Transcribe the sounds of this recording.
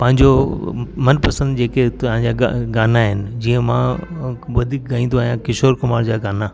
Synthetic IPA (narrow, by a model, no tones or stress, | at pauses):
pɐ̃ɦɪ̃ɲd͡ʑomɐnpɐsə̃nd̪d͡ʑeːket̪ɐɦãɲd͡ʑa̰ːɡaːnaɦɪnɪ̆d͡ʑiːə̃mãʋɐd̪ʱiːk̚ɡaːĩnd̪oajãkɪʃoːɾkʊmaːɾd͡ʑaːɡaːna